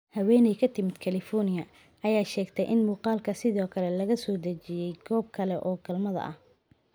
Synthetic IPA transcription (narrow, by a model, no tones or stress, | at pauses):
hɐwɛːnɛjkʰɐt̪ʰɪmɪd̪kʰɐlɪfɔrnɪjɐ | ʔɐjaːʃɛːɡt̪ʰɛjʔɪnmuːqɑːlkʰɐsɪðɔːkʰɐlɛlɐɣɐsɔːd̪ɐt͡ʃɪjɛjɡɔːb̚kʰɐlɛʔɔːɡɐlmɐðɐ̰ʔɐ̰h